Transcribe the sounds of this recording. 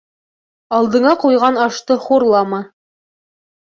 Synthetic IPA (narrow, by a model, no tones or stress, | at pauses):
ɑlˠd̪ɤ̆ɴɑqujʁɑnɑʃt̪ɤχuɾlˠɑmɑ